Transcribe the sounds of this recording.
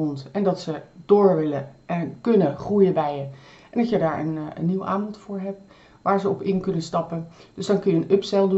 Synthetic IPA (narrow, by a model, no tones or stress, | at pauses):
ɔntɛndɑtsəd̥ʊːɹʋɪləkɵnəχrujəbɛjə | ʔɛnɑtjədaːɹə̰nə̰nːiwa̰ːnvontfʊːɹɦɛp̚ | ʋaːɹzəɔpɪnkɵnənstɑpənd̥ɵzdɑŋkɵnjəənɵpsɛlˠdu